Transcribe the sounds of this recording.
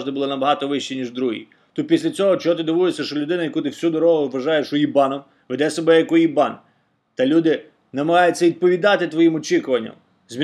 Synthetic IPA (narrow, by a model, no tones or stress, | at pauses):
d̪ɪbulˠɔnɐbɐɦɑt̪ɔʋɪʃt͡ʃinʲiʒd̪ɾuɦḭ | t̪ut̪̚pʲisʲlʲɐt͡sʲɔɦɔt͡ʃɔɦɔt̪ɪd̪ɪʋujesʲːɐʃt͡ʃɔlʲʊd̪ɪnɐjɐkut̪ɪwsʲud̪ɔɾɔɦʊʋʋɐʒɑjeʃʊjibɑnɔm | ʋed̪ɛsɔbɛjɐkʊjibɑn | t̪ɐlʲud̪ɪ | nɐmɐɦɑjʊt͡sʲːɐʋʲid̪̚pɔʋʲid̪ɑt̪ɪt̪ʋɔjimɔt͡ʃikʊʋɐnʲːɐ̰m | zʲmʲ